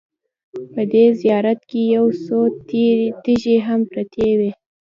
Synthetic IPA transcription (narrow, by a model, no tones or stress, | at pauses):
pəd̪ezijɑɾat̪̚kejawso | t̪eʒeɦampɾat̪ʰewe